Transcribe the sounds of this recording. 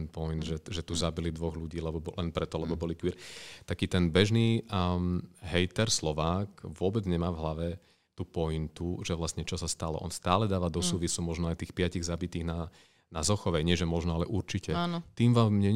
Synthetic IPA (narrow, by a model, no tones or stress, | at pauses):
npɔjnd̪ʒɛʒɛt̪uzabilid̪ʋɔɣluɟiːlɛbɔbɔlɛnpɾɛt̪ɔlɛbɔbɔlikʋiːɾt̪akiːt̪ɛnbɛʒniːmɦɛjt̪ɛɾslɔʋaːkʋʊɔbɛd͡zɲɛmaːvɦlaʋɛ | t̪uːpɔint̪uʒɛʋlast̪ɲɛt͡ʃɔsast̪alɔ̰ʔɔ̰nst̪aːlɛd̪aːʋaːd̪ɔsuːʋisumɔʒnɔajt̪iːxpɪaciɣzabit̪iːɣna | nazɔxɔʋɛɲɪɛʒɛmɔʒnɔalɛʔuɾt͡ʃicɛaːnɔt̪iːmʋaːmɲɛɲ